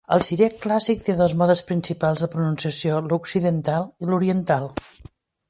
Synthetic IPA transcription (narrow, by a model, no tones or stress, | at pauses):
ə̰lˠsiɾeklasik̚t̪eðɔzmɔðəspɾinsipalˠzðəpɾununsiəsioluksiðənt̪alˠiluɾiənt̪alˠ